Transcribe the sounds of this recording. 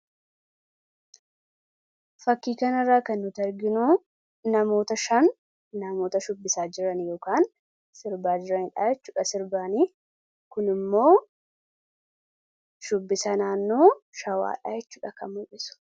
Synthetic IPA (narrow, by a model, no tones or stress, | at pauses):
fɐkːiːkɐnɐrːaːkɐnːʊt̪ɛɾɡɪnʊ | nɐmo̞ːt̪ɐʃɐnː | ɐmo̞ːt̪ɐʃʊbːɪsaːd͡ʒɪɾɐnjo̞ːkaːn | sɪɾbaːd͡ʒɪɾɐhɪᶑaːjɛt͡ʃːuːᶑɐsɪɾbaːniː | kʊnɪmːo̞ː | ʃʊbːɪsɐnaːnːoːʃɐwa̰ːᶑa̰ːjɛt͡ʃːu̥ːᶑɐkɐ̰mʊʔɪsʊ̥